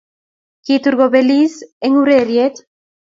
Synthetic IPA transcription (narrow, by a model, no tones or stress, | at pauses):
kit̪uɾɣoβeliseŋuɾeɾiet̪